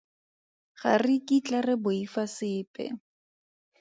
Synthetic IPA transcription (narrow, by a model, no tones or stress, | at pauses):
χa̰rɪkit͡ɬarɛbʊifasɪːpʼɛ̰